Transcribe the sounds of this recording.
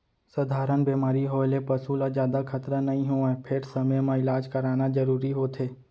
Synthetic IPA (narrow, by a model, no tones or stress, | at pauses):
sɐd̪ʱaːɾənbeːmaːɾiɦoːlepɐsulad͡ʒjaːd̪akʰɐt̪ɾanɐɦĩɦoːapʰɪɾsɐməjmãɪlaːd͡ʒkɐɾaːnazɐɾuːɾiɦoːt̪ʰeː